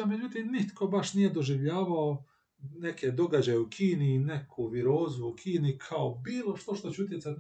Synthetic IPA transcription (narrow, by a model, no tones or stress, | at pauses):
med͡ʒut̪iːmnit̪ko̞baʃnije̞d̪o̞ʒiʋʎaːʋao | ne̞ked̪o̞ɡad͡ʑajeukʰiːniːne̞kʰuʋiɾoːzuːkʰiːnikʰaobiːlˠo̞ʃt̪oʃt̪o̞t͡ɕeut̪̬jesat̪